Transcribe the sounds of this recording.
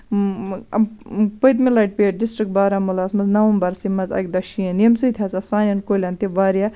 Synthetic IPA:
pəjt̪̬milaːʈ̚peːʈ̚ɖɪsʈɾik̚ʈ̚baːɾaːmulaːsmɐznɐʋumbɐɾsimɐzɐ̰k̚ʲd̪ɐʃiɐnemsɨjt̪ʰʲasɐsaːnʲɐnkoːlʲant̪iʋaːɾja

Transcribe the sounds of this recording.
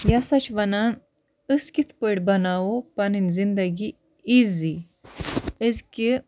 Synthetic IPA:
jasɐt͡ʃʋɐnan | ɨskit̪ʰpəɽbɐnawopɐninzind̪ɐɡi | izi | əzki

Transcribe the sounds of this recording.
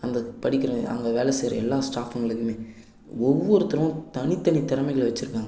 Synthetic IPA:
ɐnd̪ɐpɐɽɪkːɪɾɐɐ̰ŋɡɐʋeːlɛseːɾɐɛlːaːsʈaːfɐŋɡɐɭɯkːɯmeː | ɔʋːɔɾɯt̪ɐɾɐʋʊ̃t̪ɐɳit̪ːɐnit̪ɛɾɐmɐɪɣɐɭʋɐt͡ʃːɯɾɯkːaːŋɡ

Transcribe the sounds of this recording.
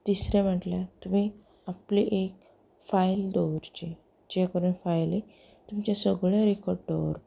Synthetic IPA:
t̪isɾẽm̤əʈljat̪um̤i | apliʔek̚ | fajld̪ɔɾt͡ɕe | d͡ʑekəɾunfajle | t̪umt͡ɕasəɡɭjaɾekɔɾɖd̪ɔʋɾ

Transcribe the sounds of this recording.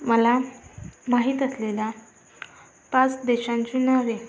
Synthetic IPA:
məla | maɦiːt̪əslela | pãt͡sd̪eɕãɲt͡ɕiːnaʋe

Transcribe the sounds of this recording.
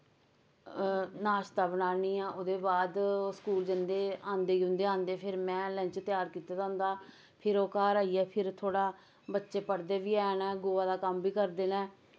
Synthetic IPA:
naːʃt̪aːbənaːniːãːʔod̪eːbaːd̪skuːld͡ʒənd̪eːãːnd̪eːiʊ̃nd̪eːãːnd̪eːpʰɪɾmɛ̃ːlə̃ɲt͡ʃt̪ɪjaːɾkiːt̪aːd̪ãːnd̪aː | pʰɪɾoːkaːɾaːiːɛːpʰɪɾt̪ʰoːɽaː | bətːʃeːpəɽd̪eːʋiːɛːnɛ̃ːɡoːaːd̪aːkəmbiːkəɾd̪eːnɛ̃ː

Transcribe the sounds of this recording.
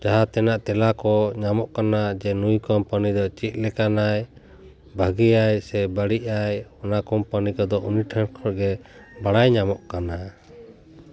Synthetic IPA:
d͡ʒaɦat̪ɛnaʔt̪ɛlakɔɲamɔʔkanad͡ʒɛnujkɔmpanid̪ɔt͡ʃit̪̚ˀlɛkanaj | bʱaɡiajsɛbəɽiʔajɔnakɔmpanikɔd̪ɔʔuniʈʰankʰɔɾɡɛbaɽajɲamɔʔkana

